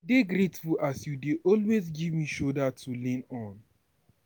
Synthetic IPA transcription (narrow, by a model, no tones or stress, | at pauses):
deɡɾetfulasjudeʔɔlwezɡivmiʃodatʰulĩnɔ̃n